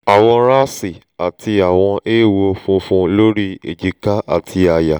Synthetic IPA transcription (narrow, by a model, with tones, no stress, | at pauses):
a˨w̃ɔ̃˧ɾa˦si˨ | a˨tʰi˧a˨w̃ɔ̃˧ʔe˦˨wo˧fũ˧˦fũ˧lo˦ɾi˦ḛ˨d͡ʒi˨˧ka˦a̰˦˨tʰi˧a˨ja˨